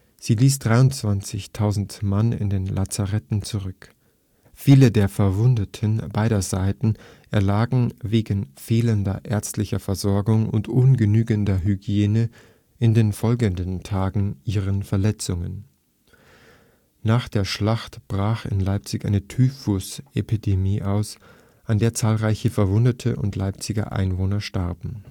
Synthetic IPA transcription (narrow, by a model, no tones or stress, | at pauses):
z̥iːliːsd̥ʁaɪʊnt͡sv̥ant͡sɪçtʰaʊzn̩tmanɪ̰ndeːnlʔat͡saʁɛtn̩t͡suʁʏk | fiːlədeːɐfɛɐvʊndətʰənbaɪɾɐzaɪtn̩ | ʔɛɐlaːɡŋ̩veːɡn̩feːləndɐ̰ʔɛɐt͡stlɪçɐfɛɐzɔɐɡʊŋʊ̰ntʔʊnɡənyːɡəndɐɦyɡjeːnə | ʔɪndeːnfɔlɡəndəntʰaːɡŋ̩ʔiːʁənfɛɐlɛt͡sʊŋə̰n | naːχd̥eːɐʃlaχtb̥ʁaːxɪ̰nlaɪp̚t͡sɪçʔa̰ɪnətʰyːfʊsʔepidemiːʔaʊs | ʔandeːɐt͡saːlʁaɪçəfɛɐvʊndətʰəʔʊ̰ntlaɪp̚t͡sɪɡɐ̰ʔa̰ɪnvoːnɐʃtaʁbm̩